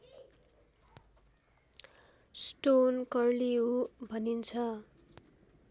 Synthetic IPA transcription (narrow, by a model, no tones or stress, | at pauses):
sʈonkʌrliɦubʱʌnint͡sʰʌ